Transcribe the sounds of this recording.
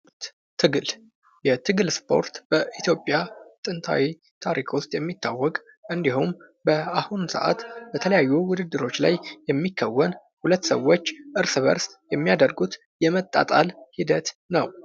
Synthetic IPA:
t̪ʰɨɡɨl | jɛt̪ʰɨɡɨlspʰo̞̰ɾt̪b̥əʔit̪ʰjo̞pʼːjat̪ʼɨnt̪ʰa̰wi | t̪ʰaɾikʰust̪ʼjɛmːit̪ʰːawːɔkʼ | ʔɨnd̪ihum | bəahunsə̰ʔa̰t̪bət̪ʰələjajːuwʊd̪ɨd̪ːɨɾo̞t͡ʃːla̰jjɛmːikʰːəwːən | hulət̪ːsəwo̞t͡ʃːʔɨɾsɨβə̰ɾsjɛmːijad̪əɾɡut̪ | jɛmət̪ʼːa̰t̪ʼalhid̪ət̪nəw

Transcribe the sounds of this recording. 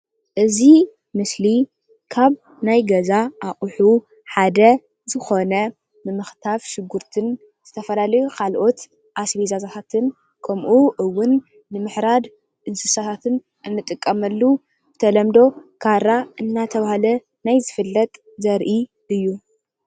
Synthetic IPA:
ʔɨzi | mɨsli | kʰaβ | najɡɐzaʔaχʼħu | ħad̪ɐ | zɨxo̞nɐ | mɨmɨxt̪ʰafʃɪɡːuɾt̪ʰɨn | z̥ɨt̪ʰɐfɐlalɐjukʰalʔo̞t̪ | ʔasbizazat̪ʰat̪ʰɨn | kʰɐmʔuʔɨwːʊnː | ɨmɨħɾad̪ | ɨnsɨsat̪ʰat̪ʰɨn | ʔɨnːɨt̪ʼɨkʼːɐmɐlːu | bɨ̥t̪ʰɐlɐmd̪o̞kʰaɾaʔɨnːat̪ʰɐβahlɐ | najzɨfɨlːɐt̪ʼ | zɐɾʔi | ʔɨjːu

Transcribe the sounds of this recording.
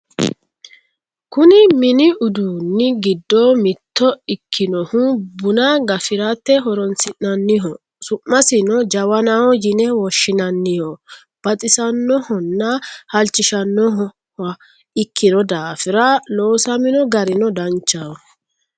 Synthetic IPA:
kʊnɪmɪnɪʔʊd̪uːnːɪɡɪd̪ːɔmɪt̪ːɔɪkʰːɪnɔhʊbʊnɐɡɐfɪɾat̪ːɛɦɔɾɔnsɪʔːɐnːɪɦɔ | sʊmːɐsɪnɔd͡ʒɐwɐnahɔjɪnɛwɔʃːɪnɐnːɪhɔ | b̥ɐt̪ʼɪsɐnːɔhɔnːɐhɐlt͡ʃːɪʃɐnːɔhɔ | hɐ | ɪkːɪnɔd̪aːfɪɾɐloːsɐmɪnɔɡɐɾɪnɔd̪ɐnt͡ʃːahɔ

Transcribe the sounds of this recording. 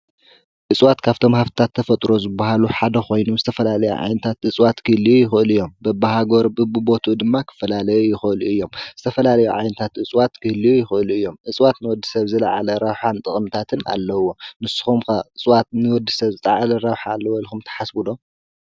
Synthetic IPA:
ʔɨt͡sʼwat̪kʰaβt̪ʰo̞mhaβt̪i̥t̪ʰat̪ʰːɐfɐt̪ʼɾo̞zɨbːahaluħad̪ɐkʰo̞jnuzɨt̪ʰɐfɐlalɐjṵʕa̰jnɐt̪ʰat̪ʔɨt͡sʼwat̪kʰɨlijujɪxɨʔɨlɨjːo̞mbɐbahaɡoɾbɨbɨbo̞t̪ʰud̪ɨmːakʰɨ̥fːɐlalɐjujɪxɨʔɨluɨjːo̞mzɨt̪ʰɐfɐlalɐjuʕa̰jnɐt̪ʰat̪ɨt͡sʼwat̪kʰɨhlijujɪxɨʔɨluɨjːo̞mʔɨt͡sʼwat̪nɨwɔd̪ːɨsɐβzɨlaʕalɐɾawħant̪ʼɨχʼmɨt̪ʰat̪ʰɨna̰lːɐwo̞nɨsɨ̥xumkaɨt͡sʼwat̪̚nɨwɔd̪ːɨsɐβzɨt̪ʼaʕalɐɾawħaːlːɐwolxumt̪ʰɐ̥ħasbud̪o̞

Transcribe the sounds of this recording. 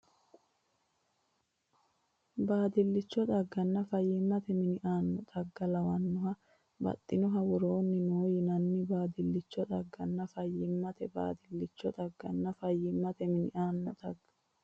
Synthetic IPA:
baːd̪ɪlːɪt͡ʃːɔt̪ʼɐɡːɐnːɐfɐjːɪmːɐt̪ɛmɪnɪʔaːnːɔt̪ʼɐɡːɐlɐwɐnːʊɦɐ | bɐ̰t̪ʼːɪnɔɦɐwɔɾo̞ːnːɪnoːjɪnɐnːɪbaːd̪ɪlːɪt͡ʃːɔt̪ʼɐɡːɐnːɐfɐjːɪmːɐt̪ɛba̰ːd̪ɪlːɪt͡ʃːɔt̪ɐɡːɐnːɐfɐjːɪmːɐt̪ɛmɪnɪʔaːnːɔt̪ʼɐɡːɐ

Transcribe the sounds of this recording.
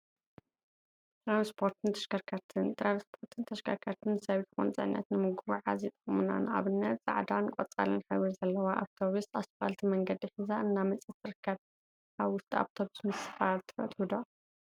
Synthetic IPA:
t̪ʰʼɾanspʰo̞ɾt̪ʰɨnt̪ʰɐ̥ʃkɐɾkʰaɾt̪ʰɨnt̪ʰʼɾanspʰo̞ɾt̪ʰɨnt̪ʰɐʃkʰɐɾkʰɐɾt̪ʰɨnɨsɐβt̪ɨxont͡sʼɨ̰ʕnːɐ̰t̪nɨmɨɡuβuʕa̰zit̪ʼɨχʼmɨna̰nʔa̰βɨnːɐt̪sʼa̰ʕd̪ankʷʼɔt͡sʼa̰lɨnħawizɐlːɐwaʔa̰βt̪ʰoβusasfa̰lt̪ʰimɐŋɡɐd̪iħɨzaɨnːamɐt͡sʼɨt̪ɨɾɨkʰːɐβ | ʔaβwʊst̪ʰʼia̰βt̪ʰoβusmɨsɨ̥fat̪ʰɨ̥fɐ̰t̪ʼhud̪o

